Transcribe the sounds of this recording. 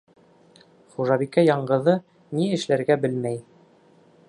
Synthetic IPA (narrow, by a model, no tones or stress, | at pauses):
χuʒɑbikæjɑɴɢɤ̆ðɤ | niɘ̆ʃlæɾɡæbɘlmæj